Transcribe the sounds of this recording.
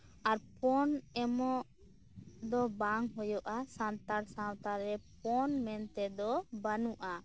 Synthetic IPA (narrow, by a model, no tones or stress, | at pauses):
aɾpɔnɛmɔʔ | d̪ɔbaŋɦɔjɔʔasant̪aɾsãwt̪aɾɛp̚ɔnmɛnt̪ɛd̪ɔbanuʔa